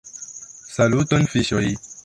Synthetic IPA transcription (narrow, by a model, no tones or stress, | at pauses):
salutonfiʃoj